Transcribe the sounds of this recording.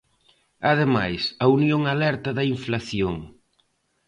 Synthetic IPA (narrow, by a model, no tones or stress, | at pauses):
ɐð̞ema̰jsɐunjoŋalɛɾt̪ɐðɐiɱflaθjoŋ